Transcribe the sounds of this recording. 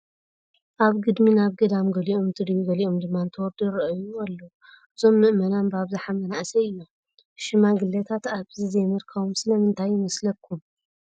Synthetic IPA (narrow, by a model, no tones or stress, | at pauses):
ʔaβɡɨd̪minaβɡɐd̪amɡɐliʔomt̪ʰɨd̪juɡɐliʔomd̪ɨmːant̪ʰɐwɔɾd̪ɨɾɐʔjualːo | ʔɨzo̞mːɨʔmɐnanbaβzaħamɐnaʔsɐɨjːo | ʃɪmaɡɨlːɐt̪ʰat̪aβzizemɨɾkʰɐβumsɨlɐmɨnt̪ʰajːɪmɐslɐkʰːum